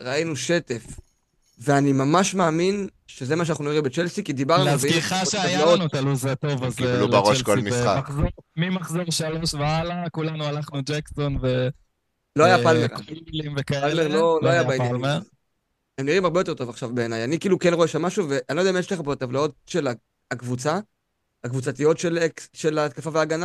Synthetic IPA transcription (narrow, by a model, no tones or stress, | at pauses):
ʁainuʃe̞t̪ef | veanimamaʃmaːminʃe̞ze̞maʃanaχnuniʁimbet͡ʃe̞lsikid̪ibaʁnuveiχaʃeaajvlaonut̪alujzet̪ovaɡilubʁoʃkolmisχa̰aχziʁmimaχziʁʃaloʃvealakulanualaχnud͡ʒeksonve | lohajapalmeʁilimvekaealmeʁloloajabaejalmeʁ | emniʁimaʁbejo̞te̞t̪o̞vaχʃavbe̞ːnajanikiːlukenʁo̞eʃamːaʃuve̞ʔanioodameʃleχapoat̪avlao̞t̚ʃe̞la | akvut͡sa | akvut͡sat̪ijo̞tʃelekʃelat̪̚kafaveaːɡana